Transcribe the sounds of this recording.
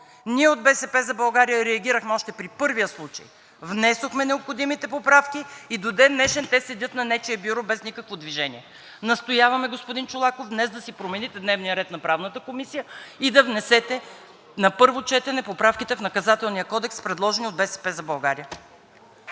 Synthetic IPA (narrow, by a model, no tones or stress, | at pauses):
niɛod̪̚bɛsɛpɛzɐbɐlˠɡaɾijəɾɛɐɡ̟ʲiɾəxmɛɔʃt̪ɛpɾipɤɾvijəslˠut͡ʃɐ̰j | vnɛsoxmɛnɛopxod̪imit̪ɛpopɾafkʲiːd̪od̪ɛnːɛʃɛnt̪ɛsɛd̪ʲɤt̪nɐnɛt͡ʃɛəbʲuɾɔbɛznʲikəkvod̪viʒɛniɛ | nɐst̪ojavɐmɛɡospʊd̪int͡ʃʊlˠakofd̪nɛzd̪ɐsipɾomɛnit̪ɛd̪nɛvnijəɾɛt̪nɐpɾavnət̪əkomisijəid̪ɐvnɛsɛt̪ɛ | nɐpɤɾvot͡ʃɛt̪ɛnɛpopɾafkʲit̪ɛfnɐkɐzat̪ɛlˠnijəkɔd̪ɛkspɾɛd̪lˠɔʒɛniod̪bɛsɛ̥pɛzɐbɐlˠɡaɾijə